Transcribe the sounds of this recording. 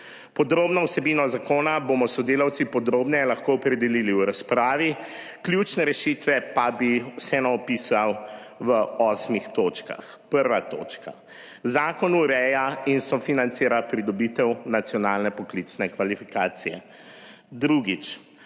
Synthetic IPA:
pɔd̪ɾoːbnɔwsɛbiːnɔzakoːnabomɔsɔd̪eːlawt̪sipɔd̪ɾoːbnɛlaxkoɔpɾɛd̪ɛliliwɾaspɾaːʋi | klʲjut͡ʃnɛɾɛʃit̪ʋɛpabisɛnɔɔpiːsawʋəɔsmixt̪oːt͡ʃka̰x | pəɾʋat̪o̰ːt͡ʃka̰ | zaːkɔnuɾɛjainsɔfinant̪seːɾapɾid̪ɔbit̪ɛwnat̪sjɔnaːlnɛpɔklit̪snɛkʋalifikaːt̪sijɛ̰ | d̪ɾuɡit͡ʃ

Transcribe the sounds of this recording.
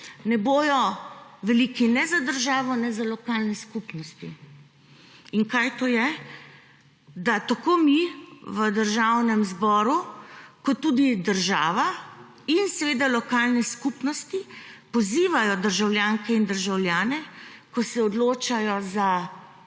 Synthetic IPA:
nɛboːjɔʋɛliːkinɛzad̪əɾʒaːʋɔnɛzalɔkalnɛskupnɔst̪i | iŋkajt̪oːjɛ | d̪at̪akomiʋəd̪əɾʒawnɛmzbɔːɾukɔt̪ːud̪id̪əɾʒaːʋa | insɛʋeːd̪alɔkaːlnɛskupnɔst̪ipɔziːʋajɔd̪əɾʒawljaːŋkɛind̪əɾʒawlʲjaːnɛkɔsɛɔd̪loːt͡ʃajɔza

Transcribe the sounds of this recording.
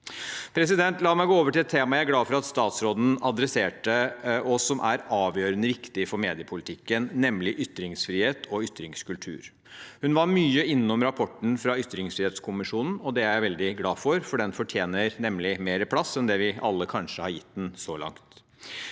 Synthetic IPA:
pʰɾɛs̬ɪd̪ɛnt̪lɑːmæɪɡoːoːʋəʈʰɪlɛt̪tʰeːmɑjææɾɡlɑːfɔɾɑt̪st̪ɑːt̪sɾoːd̪n̩ɑd̪ɾɛseːʈəɔsːɔmʔæɾɑːʋjøːɾənəɾɪkt̪ɪfɔɾmeːd̪ɪəpʰʊlɪt̪ʰɪkːənːɛmlɪʔʏt̪ːɾɪŋsfɾiːheːt̪ʰɔʏt̪ːɾɪŋskʰʉlt̪ʰʉ̰ːɾ | hʉnʋɑɾmyːəɪnːɔmɾɑpʰɔʈn̩fɾɑʏt̪ːɾɪŋsfɾiːheːt̪skʰʊmɪʂuːnn̩ɔd̪ɛææɪʋɛld̪ɪɡlɑːfɔɾfɔɖɛnfɔʈʰjeːnəɾnɛmlɪmeːɾəpʰlɑsɛnd̪ɛʋɪʔɑ̰lːəkʰɑnʂəhɑɾjɪt̪̚ːd̪ɛnsɔlɑ̰ŋt̪

